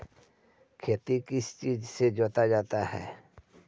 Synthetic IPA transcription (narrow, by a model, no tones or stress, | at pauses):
kʰeːt̪ikɪst͡ʃiːd͡ʒsed͡ʒoːt̪ad͡ʒaːt̪ahɛ̰ː